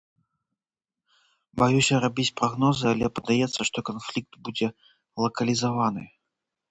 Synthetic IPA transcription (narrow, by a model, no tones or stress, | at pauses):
bajusʲɐɾabʲitʲpɾɐɣnɔzɨalʲɛpɐd̪ajɛt̪sːɐʂt̪ɔkanflʲik̚t̪bud͡zʲɛ | lˠɐkɐlʲizavanɨ̰